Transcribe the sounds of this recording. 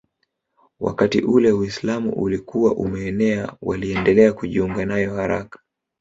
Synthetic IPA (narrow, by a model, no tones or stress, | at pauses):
wʔa̰katiʔulɛwislamṵʔulikuwaʔumɛːnɛawa̰liɛndɛlɛakuʄiuŋɡanajɔhaɾakḁ